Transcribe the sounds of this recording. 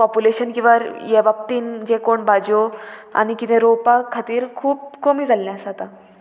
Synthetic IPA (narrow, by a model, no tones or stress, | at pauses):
pɔpuleɕənkĩʋaɾjebap̚t̪iːnd͡ʑekoɳbad͡ʑoa̰ñikit̪ẽɾopakʰːat̪iːɾkʰuːb̚komiːd͡zʱalːãsat̪a